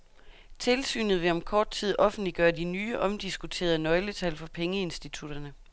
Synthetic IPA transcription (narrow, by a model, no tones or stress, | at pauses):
t͡sʰe̝lsy̰ːnð̩ˠʋe̝ɒ̽mkʰɒːd̥̚t͡sʰið̞̰ˠʔɒ̽fn̩d̥liɡ̥ɶːɐd̥inyːʔɒ̽md̥isɡ̥ut͡sʰe̝̰ːɐð̩ˠnɒ̽ɪlət͡sʰælfɒ̽pʰeŋəe̝nsd̥it͡sʰud̥ɐnə